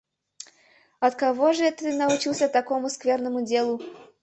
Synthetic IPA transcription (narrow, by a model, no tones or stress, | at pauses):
ɐt̪kɐvoʐɨt̪ɨnɐʊt͡ɕilˠsʲət̪ɐkomʊskvʲernəmʊdʲelˠʊ